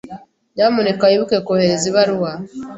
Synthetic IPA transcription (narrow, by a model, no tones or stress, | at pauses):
jaːmunekajiβukekoheɾeziβaɾuwa